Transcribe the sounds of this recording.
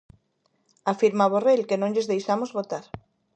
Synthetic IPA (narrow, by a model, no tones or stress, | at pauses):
afiɾmaβorelkenõŋʎezðejʃamozβot̪aɾ